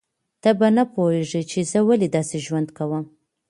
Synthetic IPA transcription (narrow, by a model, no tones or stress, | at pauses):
t̪abanapoheʐət͡ʃezəwaled̪ɑseʒwand̪kawəm